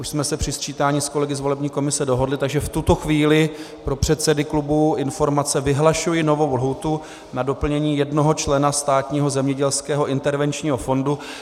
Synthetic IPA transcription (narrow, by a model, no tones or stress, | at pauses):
ʔuʃsmɛsɛpr̝̥ɪst͡ʃiːt̪aːɲiːsko̞lɛɡɪzvo̞lɛbɲiːko̞mɪsɛdo̞ɦo̞dlɪt̪aɡʒɛft̪ut̪o̞xviːlɪ | pɾo̞pr̝̥ɛt̪sɛdɪklubuɪnfo̞ɾmat͡sɛvɪɦlaʃujɪno̞vo̞wlɦut̪u | nado̞pl̩ɲɛɲiːjɛdnoɦo̞t͡ʃlɛnast̪aːt̪ɲiːɦo̞zɛmɲɛɟɛlskɛːɦo̞ʔɪnt̪ɛɾvɛnt͡ʃɲiːɦo̞fo̞ndu